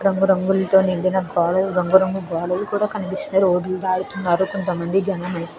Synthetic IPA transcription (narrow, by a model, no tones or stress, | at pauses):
ɾɐŋɡuɾɐŋɡulɐt̪o̞ːniɳd̪inɐkɔːlɐuɾɐŋɡuɾɐŋɡubɔːlɐlukuːɽaːkɐnipisinɐɾoːɖuld̪aːɽut̪unːaːɾukont̪ɐmɐnd̪id͡ʒɐnɐmɐj